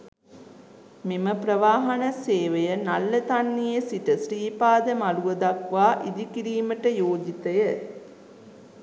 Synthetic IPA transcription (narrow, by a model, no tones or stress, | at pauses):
miməpɾəʋaːɦɐnəseːʋejənalːət̪anːijesiʈəsriːpaːd̪əmaluʋəd̪akʋaːʔid̪ikiɾiːməʈəjoːd͡ʒit̪əjə